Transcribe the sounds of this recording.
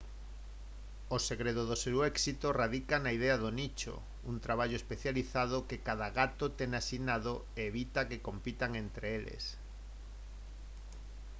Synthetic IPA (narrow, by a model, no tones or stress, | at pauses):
oseɣɾeðoðoseɾwɛksit̪oraðikanaið̞eaðonit͡ʃo̰ | unt̪ɾaβ̞aʎoespeθjaliθað̞okekaðaɣat̪ot̪eŋasinaðo | eːβ̞it̪akekompit̪aŋent̪ɾeelḛs